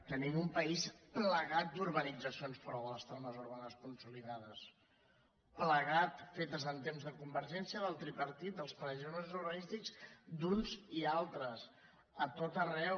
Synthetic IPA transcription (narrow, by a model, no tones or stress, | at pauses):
t̪ənimumpəispləɣat̪̚d̪uɾβənid͡zəsionspɾɔwələst̪anəzuɾβ̞anəskunsuliðaðəs | pləɣat̪fet̪əzənt̪emzðəkumbəɾʒɛnsiəðəlˠt̪ɾipəɾt̪it̪̚d̪əlˠspəɾəʒɛnəzuɾβənist̪ikzd̪unzialˠt̪ɾəs | ət̪ot̪ərɛw